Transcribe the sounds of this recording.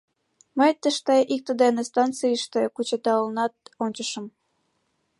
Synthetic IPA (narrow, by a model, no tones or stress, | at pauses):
məjt̪əʃt̪eʔik̚t̪əd̪enest̪ɑnt͡sɨəʃt̪ekut͡ɕet̪ɑəlnɑt̪̚onʲt͡ɕəʃə̆m